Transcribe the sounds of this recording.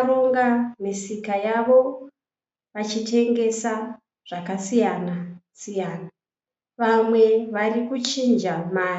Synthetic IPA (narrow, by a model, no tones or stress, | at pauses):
roŋɡamisikajaʋo̞ | ʋat͡ʃitʰe̞ŋɡe̞sa | ʐ̥akasijanasijaːna | ʋamwe̞ʋarikut͡ʃind͡ʒamaːr